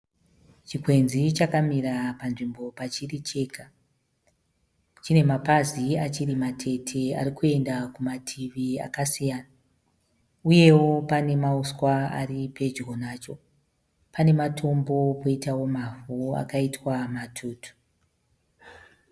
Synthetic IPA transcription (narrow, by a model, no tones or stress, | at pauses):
t͡ʃikwe̞nzit͡ʃakamirapanʐimbo̞pat͡ʃirit͡ʃe̞ːka | t͡ʃine̞mapaziat͡ʃirimatʰe̞tʰe̞a̰ɾikue̞ndakumatʰiʋia̰kasijaːna | uje̞wo̞pane̞mauskwaa̰ripe̞d͡ʒɣo̞naːt͡ʃo̞ | pane̞matʰo̞mbo̞ko̞itawo̞mavua̰kaitwamatʰuːtʰu̥